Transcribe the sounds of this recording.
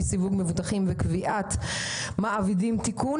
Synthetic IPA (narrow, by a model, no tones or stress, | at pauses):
sivuɡmevut̪aχimvekviʔat̪ | maʔavidimt̪ikun